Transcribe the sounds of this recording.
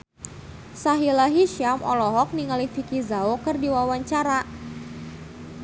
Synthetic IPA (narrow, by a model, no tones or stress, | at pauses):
saɦilaɦiʃiamʔɔlɔɦɔk̚niŋalifikizaokɨrdiwawaɲt͡ʃaɾa